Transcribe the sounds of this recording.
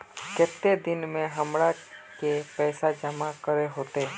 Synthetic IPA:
kɛt̪ːed̪ɪnmẽɦəmɽa | kepɛːsad͡ʒəmakəɾeɦoːt̪eː

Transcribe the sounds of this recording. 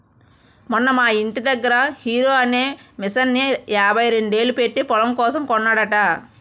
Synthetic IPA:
munːɐmaːiɳʈid̪ɐɡːɐɾɐhiːɾo̞ːɐneːmisɐnːiaːbʱɐjɾeɳɖe̞ːlupe̞ʈːipɔlɐmkɔːsɐmkɔnːaːɽɐʈa

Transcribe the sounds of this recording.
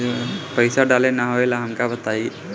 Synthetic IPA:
pəjsaɖalenaɦojlaɦəmkabət̪ai

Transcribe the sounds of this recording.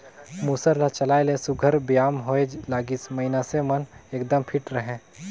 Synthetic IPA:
muːsəɾlat͡ʃɐlaːelesuɡʱəɾbjaːmɦoːed͡ʒlaːɡɪsmɐinaseməneːkd̪əmpʰɪʈɾəɦɛ̃ː

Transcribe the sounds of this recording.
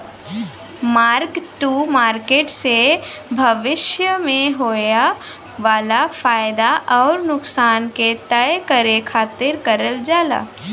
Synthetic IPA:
maːɾkʈumaːɾkeːʈsebʱɐʋɪʃjəmẽɦoːja | ʋaːlafaːjd̪aʔɔːɾnʊksaːnket̪əjkəɾekʰaːt̪ɪɾkəɾəld͡ʒaːla̰ː

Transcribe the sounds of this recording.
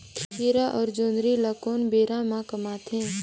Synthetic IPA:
kʰkiːɾaʔɔːɾd͡ʒoːnd̪ɾiləkoːnbeːɾãmãkɐmaːt̪ɦẽː

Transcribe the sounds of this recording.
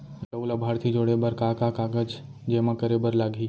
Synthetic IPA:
səulabʱaːɾt̪ʰid͡ʒoːɽebəɾkaːkakaːɡəd͡ʒd͡ʒeːmãkəɾebəɾlaːɡʱiː

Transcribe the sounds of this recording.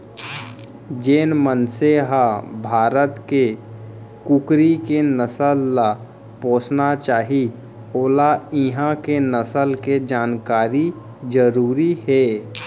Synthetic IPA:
d͡ʒeːnmənseɦabʱaːɾət̪ke | kukɾikenəsəlːa | põːsnat͡ʃaːɦi | oːlaɪɦãkenəsəlked͡ʒaːnkaːɾi | d͡ʒəɾuːɾiɦɛː

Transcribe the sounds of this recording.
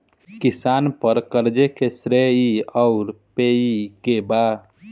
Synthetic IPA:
kɪsaːnpəɾkəɾd͡ʒekesɾeiɔʊɾpeikeba

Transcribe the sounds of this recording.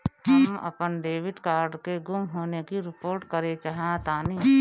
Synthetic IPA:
ɦɐmɐ̰pənɖeːʋɪɖkaːɾɖkeɡʊmɦoːnekiɾɪpoːɾʈkəɾẽt͡ʃaɦt̪aːniː

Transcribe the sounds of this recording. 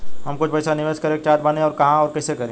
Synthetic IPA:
ɦɐmkʊt͡ʃʰpɐsanɪʋeːskɐɾeːk̚t͡ʃaːt̪bɐnẽɔːɾkɐɦãɔːɾkɛːsekɐɾẽː

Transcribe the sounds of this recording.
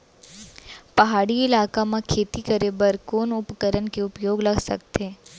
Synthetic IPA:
pɐɦaːɽiɪlaːkamakʰeːt̪ikəɾebəɾkoːnʊpkəɾənkeʊpjoːɡlɐɡʱsɐ̰k̚t̪eː

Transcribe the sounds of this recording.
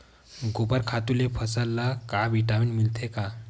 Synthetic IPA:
ɡopəɾkʰat̪ulepʰəsalːakabiʈaminmilt̪ʰeka

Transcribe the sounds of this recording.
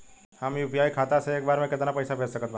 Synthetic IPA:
hɐmjupijaːjikʰaːt̪aseeːkbaːɾmẽkɪt̪napɐjsapʰeːsɐkət̪ba

